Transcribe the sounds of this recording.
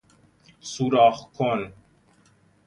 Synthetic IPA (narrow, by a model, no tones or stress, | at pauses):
suːɾaːχkʰon